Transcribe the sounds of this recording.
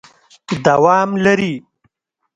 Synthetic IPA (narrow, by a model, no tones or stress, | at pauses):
d̪awɑːmlaɾi